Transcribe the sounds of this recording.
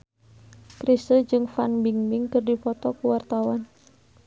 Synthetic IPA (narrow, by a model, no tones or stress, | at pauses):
kɾisəd͡ʒɨŋfanbiŋbiŋkɨrdifɔt̪ɔkuwart̪awan